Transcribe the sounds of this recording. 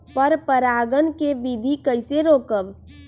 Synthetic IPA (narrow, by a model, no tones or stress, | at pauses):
pəɾpəɾaːɡənkeʋɪd̪ʱikəɪseɾoːkəb